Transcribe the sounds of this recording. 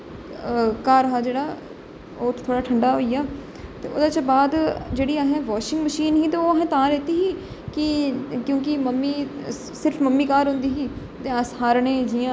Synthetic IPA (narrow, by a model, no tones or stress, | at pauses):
kaːɾɦaːd͡ʒeːɽaː | oːʈʰt̪ʰoːɽaːʈʰəɳɖaːɦoːijaː | t̪ḛːo̰ːd̪aːt͡ʃbaːd̪d͡ʒeːɽiːaɦẽːʋaːʃɪ̃ŋɡməʃiːnɦiːt̪eːoːɦẽːt̪ãːɾɛːt̪iːɦiː | kɪkjõːk̬ɪməmːiː | sɪɾfʰməmːiːkaːɾɦʊ̃nd̪iːɦiː | t̪eːəsɦaːɾɳẽːd͡ʒiãː